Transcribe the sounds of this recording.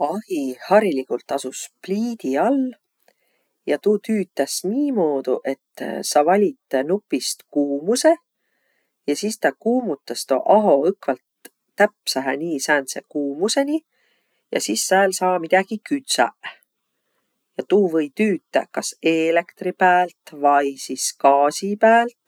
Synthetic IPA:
ɑhihɑɾilikult̪ːˑɑsuspliːd̪̥iɑl | jɑt̪uːt̪yːt̪ːˑæsniːmo̞ːd̪̥uʔe̞t̪ːsɑvɑlʲit̪ːˑnupːˑist̪kuːmuse̞ | jɑsist̪ɑkuːmut̪ːˑɑst̪o̰ʔɑɦo̞ɤkvɑlt̪ː | æpsɑɦeniːsæːnsḛkuːmuse̞nʲi | jɑ̰sisːæːlsɑːmid̪æɡ̥ikyt̪sæ̰ | jɑt̪uːvɤjt̪yːt̪ːˑæ̰kɑseːlekt̪ripæːlt̪vɑjsiskɑːsipæːlt̪

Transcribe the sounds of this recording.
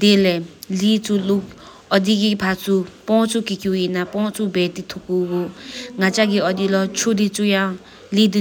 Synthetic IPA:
d̪elɛlit͡sʰulok | ʌd̪iɡipʰat͡sʰupɔ̃t͡sʰukikjujinapɔ̃t͡sʰubɛt̪it̪ʰukuɡoŋat͡saɡiʌd̪ilɔt͡ʃʰod̪it͡sujã | lid̪i

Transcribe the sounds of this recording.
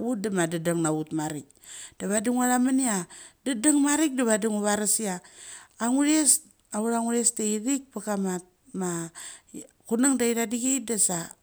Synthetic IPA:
ut̚damadadaŋnautmaɾik̚ | d̥aβadiŋuaɾamaniadadaŋmaɾik̚daβadiŋuβaɾasiaː | ŋuɾes | auɾaŋuɾesteiɾik̚pakamat | ma | kunaŋdaiɾadiɡeit̚dasa

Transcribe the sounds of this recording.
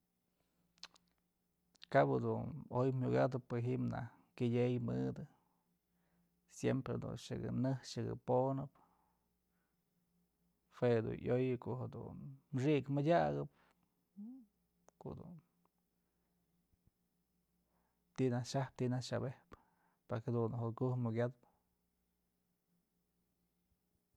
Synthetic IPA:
kabad̪unojmuɡad̪ɨpɨɦiʔmna̰h | kɨdʲejmɨd̪ɨ | sjempɾḛd̪ṵnʂɨɡɨ̰nɨhʂɨɡɨ̰ponɨp | hwed̪ṵnʔjojɨkohed̪ṵnmʂ̬ikmɨdʲaɡɨp̚ | ko̰ʔd̪ṵn | t̪inahʂahp̚t̪inaʂabehp | paɾkhad̪unɦokuhmuɡʲad̪p

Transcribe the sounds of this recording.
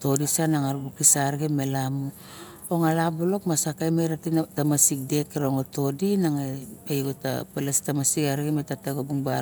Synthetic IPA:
to̞disanaŋaɾbukisaɾɡemelamu | oŋalabolo̞kmasakajmejɾatitamasik̚dekeɾoŋoto̞dinaŋepajɡota̰pelastamasiɡaɾɡemetataɡobuŋba

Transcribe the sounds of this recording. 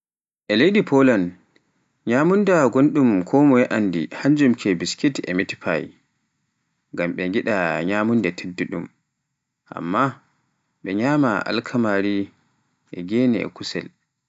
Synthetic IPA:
ʔɛlejɗipʰɔlan | ɲamundaɡonɗumkʰɔmɔjɛʔandḭhaɲd͡ʒumkʰɛbiskitɛ̰miti̥pʰa̰j | ŋɡamɓɛŋɡiɗaɲaːmundɛtʰedːiɗum | ʔa̰mːa | ɓɛɲaːmaʔa̰lkʰamaɾi | ʔɛ̰ɡɛnɛ̰ɛ̰kusɛ̰l

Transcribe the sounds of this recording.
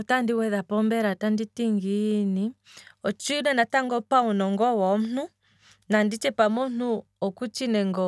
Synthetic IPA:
ɔtandiwɛðapɔmbɛɾatanditiŋɡini | ɔt͡ʃːnɛnataŋɡɔpaunɔŋɡɔwɔm̩n̥u | nandit͡ʃɛpamɔn̥u | ɔkut͡ʃinɛŋɡɔ

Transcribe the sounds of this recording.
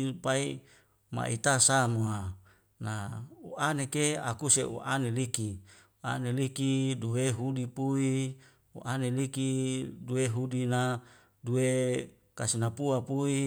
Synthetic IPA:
pai | ma̰ʔḭt̪asamua | nauanekea̰kuseʔṵʔaneliki | ua̰nelikiduweɦudipui | ṵʔanelikiduweɦudina | due | kasinapuapui

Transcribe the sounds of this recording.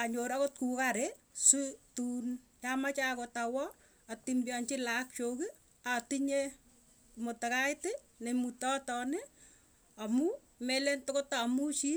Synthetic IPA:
aɲoɾakot̚kukaɾe | sutunt͡ʃamat͡ʃakotawɔ | atimbjɔnt͡ʃɪlak̚t͡ʃoki | atiɲe | mʊtekajtɪ | nemutɔtɔnɪ | amu | melentokotamut͡ʃi

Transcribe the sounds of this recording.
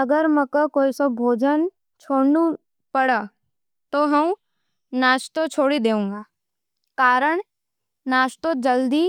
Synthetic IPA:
ɐɡəɾməkokoːisɐbʱoːd͡ʒən | t͡ʃʰoːɽnu | pɐɽa | t̪oɦɐ̃ | naːʃt̪ot͡ʃʰoːɽid̪eːũːŋɡaː | kaːɾəɳ̃ | naːʃt̪od͡ʒɐld̪i

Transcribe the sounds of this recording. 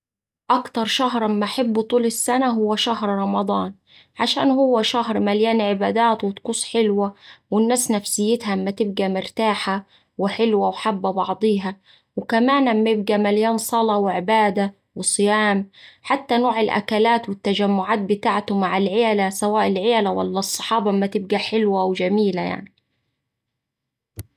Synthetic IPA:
ʔakt̪ɑɾˤʃaɦɾˤɑmːaʔaħɪbːut̪ˤuːlɪsːanaɦʊwːaʃahɾˤɾˤɑmɑd̪ˤɑːn | ʕaʃa̰ːnhʊwːaʃahɾmaljaːnʕɪbaːd̪aːt̪wɪt̪quːsˤħɪlwawɪnːaːsnafsɪjːɪt̪haʔmːat̪ɪb̚ɡamɪɾt̪aːħa | wɪħɪlwawħabːabɑʕd̪ˤiːɦa | wɪkamaːnamːajɪb̚ɡamaljaːnsˤɑlɑwɪʕɪbaːd̪a | wɨsˤɨjaːmħat̪ːanoːʕɪlʔa̰kalaːt̪wɪt̪ːad͡ʒamːʊʕaːt̪̚bɪt̪aːʕt̪ʊmaʕalʕeːlasawaːʔɪlʕeːlawa̰lːɑsˤːɑ̥ħɑːbɑʔmːat̪ɪb̚ɡaħɪlwawɪd͡ʒamiːlaja̰ʕni

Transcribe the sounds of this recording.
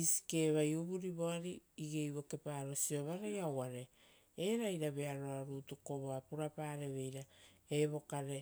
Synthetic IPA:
isi̥ke̞ːβajuβuɾiβo̞aɾiːɡe̞jβo̞ke̞paːɾo̞sio̞βaɾejawaɾe̞ | eɾajɾaβe̞aɾo̞aɾuːtuko̞βo̞apuɾapaːɾe̞βe̞jɾaeβo̞kaɾe̞

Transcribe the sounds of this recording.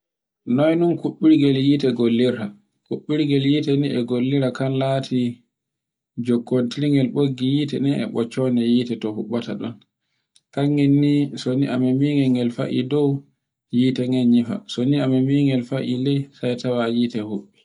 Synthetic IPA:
nɔjnunkuɓːiɾɡɛljitɛɡolːiɾa | kuɓːiɾɡɛljiːtɛniʔɛɡolːiɾakanlaːtʰi | d͡ʒɔkːontiliŋɡɛlɓoɡːijiːtɛnɛɛ̰ɓɔt͡ʃːɔnɛjiːtɛtɔhuɓːata̰ɗɔ̰n | kaŋinːisoniʔamɛmiŋɡɛŋɡɛlfa̰ʔḭdɔw | jiːtɛŋɡɛnɲifa̰soniamɛmiŋɡɛlfaʔilɛsajtawajiːtɛhuɓːi

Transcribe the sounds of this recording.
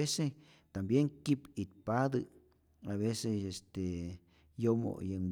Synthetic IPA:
ese | t̪ambjeŋkipit̪̚pad̪ɨ | aβesesest̪e | jomo̰jem

